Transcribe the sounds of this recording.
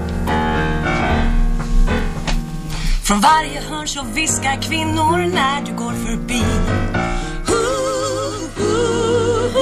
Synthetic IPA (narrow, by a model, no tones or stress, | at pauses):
fɾɔnvaɾjəhɵnʂɔvɪskakʰvɪnːʊɾnæɖɵɡoːɾfœɾbiː | hu | h